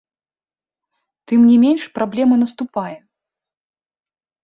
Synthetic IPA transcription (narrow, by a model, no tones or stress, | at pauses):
t̪ɨmnʲimʲenʲʂpɾablʲɛmɐnɐst̪ʊpajɛ